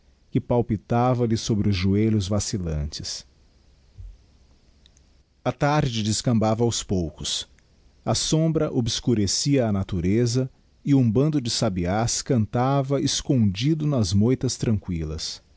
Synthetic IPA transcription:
kɪpawpit̪avɐlɪsobɾɪʊzʒueʎʊzvasilɐ̰̃t͡ʃɪ̥s | ɐt̪aɾd͡ʒɪd͡ʒɪskɐ̃mbavɐawspowkʊs | ɐsõbɾɐʔobɪskuɾesiɐːnat̪uɾezɐ | ɪũbɐ̃nd̪ʊd͡ʒɪsabiaskɐ̃nt̪avɐɪskõnd͡ʒid̪ʊnɐzmojt̪ɐst̪ɾɐ̃ŋkwilɐ̰s

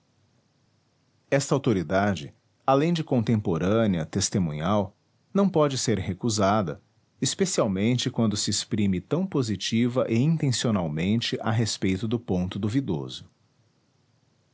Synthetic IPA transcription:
ɛst̪ɐawt̪oɾid̪ad͡ʒɪ | alẽj̃d͡ʒɪkõnt̪ẽmpoɾɐ̃niɐt̪est̪emũɲaw | nɐ̃w̃pɔd͡ʒɪseɾhekuzad̪ɐ̰ | espesiawmẽnt͡ʃɪkwɐ̃nd̪ʊsɪespɾĩmɪt̪ɐ̃w̃pozit͡ʃivɐʔɪĩnt̪ẽsionawmẽnt͡ʃɪʔaɦespejt̪ʊd̪ʊpõnt̪ʊd̪uvid̪o̰zʊ

